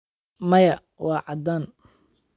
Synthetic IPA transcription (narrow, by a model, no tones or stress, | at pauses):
mɐjɐ | wɑːʕɑd̪aːn